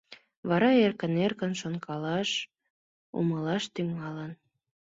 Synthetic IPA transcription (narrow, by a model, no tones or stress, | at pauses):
βɑɾɑerkənerkənʃonkʰɑlɑʃ | ṵməlɑʃt̪yŋɑlən